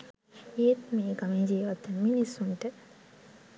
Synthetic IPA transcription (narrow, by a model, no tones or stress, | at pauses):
eːt̪meːɡamid͡ʒiːʋat̪ːəminisuɳʈə